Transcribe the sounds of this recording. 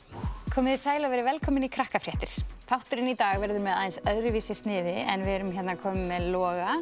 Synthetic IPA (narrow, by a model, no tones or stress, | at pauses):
kʰɔːmɪðɪsaːjlavɛɾɪvɛlkʰɔːmɪnikʰɾahkafɾjɛht̪ɪɾ̥fawht̪ʏɾɪnit̪aːɣvɛɾðʏɾmɛðajnsœðɾɪviːsɪst̪nɪːðɪɛ̰nvɪɛɾʏmçɛt̪nakʰɔːmʏmːɛðlɔːɣa